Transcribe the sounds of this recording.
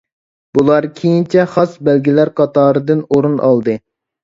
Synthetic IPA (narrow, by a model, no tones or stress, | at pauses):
bulˠɑɾkʲʰejint͡ʃʰɛχɑsbɛlɡʲilæɾqʰɑt̪ɑːɾɨd̪ɨnoɾunʔɑ̰lˠd̪ɨ